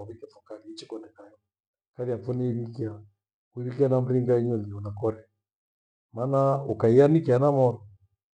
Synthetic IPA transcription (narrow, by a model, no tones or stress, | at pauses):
ɔβikɛfɔkaliit͡ʃikɔnɛkajɔ | kaliafɔniiβikia | kuiɾikianam̩ɾiŋɡaiɲɔliɔnakɔɾɛ | manaukaianikianamɔɾɔ